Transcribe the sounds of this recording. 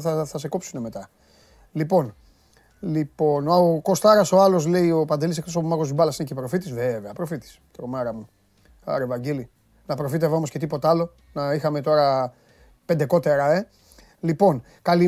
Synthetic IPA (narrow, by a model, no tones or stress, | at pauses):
θɐθɐse̞kopsuneme̞t̪ɐ | lipo̞n | lipo̞nɐoko̞st̪ɐɾɐso̞ɐlo̞s̬le̞io̞pɐnd̪e̞lisekt̪osoumɐko̞zðibɐlɐsine̞cepɾo̞fit̪isveveɐpɾo̞fit̪i̥st̪ɾomeɾɐmu | ɐ̰ɾevɐɲɟeli | nɐpɾo̞fit̪̬evɐomosce̞t̪̬ipo̞t̪ɐlo̞ | nɐixɐme̞t̪o̞ɾɐ | pe̞nd̪e̞ko̞t̪e̞ɾɐe̞ | lipo̞n | kali